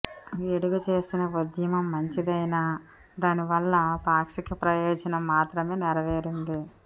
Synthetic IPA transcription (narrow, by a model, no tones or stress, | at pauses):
eɽuɡɐt͡ʃe̞ːsinɐʋud̪jɐmɐmːɐɲt͡ʃid̪ɐjna | d̪aːniʋɐlːɐpaːksikipɾɐjɔːd͡ʒɐnɐmːaːt̪ɾɐme̞ːnɛɾɐʋeːɾind̪i